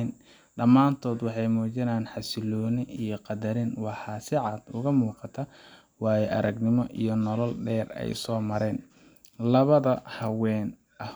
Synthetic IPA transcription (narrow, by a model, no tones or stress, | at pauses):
n | ɖɐmːaːnt̪ʰɔːd̪wɑħɑjmɔːt͡ʃɐnaːnħɑsɪlɔːnɪijɞqɑd̪ɐɾɪnwɑħɑːsɪʕɑd̪ʊɣɐmuːqɑt̪ʰɐ | wɑːjɛʔɐ̰ɾɐɡnɪmɔʔijɞnɔlɔlɖɛːrɛ̰jsɔːmɐɾɛːn | lɐβɐðɐhɐwɛːn | ʔɐh